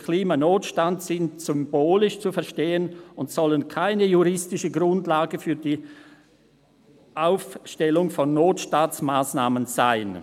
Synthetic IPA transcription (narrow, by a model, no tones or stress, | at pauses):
kʰliːmanoːtʃtantsɪntsʏmboːlɪʃt͡sufɛɐʃteːənʊntsɔlənkʰaɪnəjuʁɪstɪʃəɡʁʊndlaːɡəfyːɐdiː | ʔaʊfʃtɛlʊŋfɔnːoːtʃtaːtsmaːsnaːmənz̥aɪn